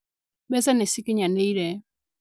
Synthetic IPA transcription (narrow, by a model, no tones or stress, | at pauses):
ɓɛzanɛsikiɲanɛiɾɛ